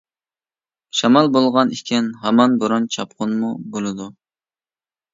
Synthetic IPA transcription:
ʃɑmɑlˠbolˠʁɑnikʲʰɛnɦɛmɑnbuɾunt͡ʃʰɑp̚qʰʊnmubolˠɨd̪u

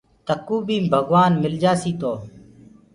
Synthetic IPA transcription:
t̪əkːuːbĩːmbʱəɡʋaːnmɪld͡ʒaːsiːt̪oː

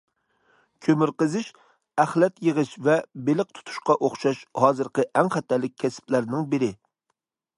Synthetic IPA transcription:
kʲʰømɪɾqəzɪʃ | æχlɛt̪jəʁɨʃvɛbelɪq̚t̪ʰu̥t̪ʰu̥ʃqɑʔoχʃɑʃhɑːzɨɾqəʔæŋχæt̪ʰːɛlːɪk̚ʲʰːɛsɪ̥plæɾnɪŋbɪɾɪ

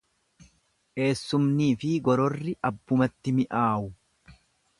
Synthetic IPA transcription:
ʔe̞ːsːʊmniːfɪɡɔɾɔrːɪʔɐbːʊmɐt̪ːɪmɪʔaːʔʊ

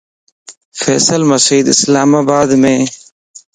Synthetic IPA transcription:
fḛːsəlmɐsiːd̪ɪslaːmaːbaːd̪mẽ

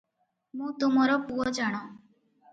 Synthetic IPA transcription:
mũːt̪umɔɾɔpuɔd͡ʒaɽ̃o

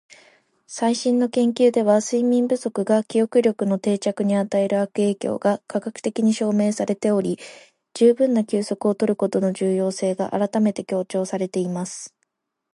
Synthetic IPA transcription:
saiɕĩnːo̞kẽ̞ŋkʲɨːd̪e̞β̞asɨimʲĩmbɯ̟so̞kɯ̟ɡakʲijo̞kɯ̟ɾʲo̞kɯ̟no̞t̪e̞ːt͡ɕakɯ̟ɲ̟iat̪ae̞ɾɯ̟akɯ̟e̞ːkʲo̞̰ːɡakaɡakɯ̟̥t̪e̞kʲiɲ̟iɕo̞ːme̞ːsaɾe̞t̪e̞o̞ɾʲi | d͡ʑɨːbɯ̟̃nːakʲɨːso̞kɯ̟o̞t̪o̞ɾɯ̟ko̞t̪o̞no̞ʑɨːjo̞ːse̞ːɡaʔa̰ɾat̪ame̞t̪e̞kʲo̞ːt͡ɕo̞ːsaɾe̞t̪e̞imasɨ̥

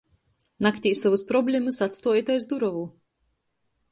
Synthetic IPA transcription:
nakt̪ʲiːsɔvɨspɾɔbʲlʲemɨsat̪st̪oːjit̪ajzd̪uɾɔvu

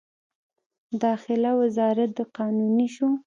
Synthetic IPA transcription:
d̪ɑxɪlawɪzɑɾat̪̚d̪əqɑnuniʃu

